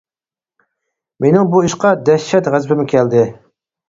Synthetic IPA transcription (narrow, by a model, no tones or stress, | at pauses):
menɪŋbuiʃqɑd̪ɛʃːɛt̪ʁæzbɪmɪkʲʰɛld̪ɪ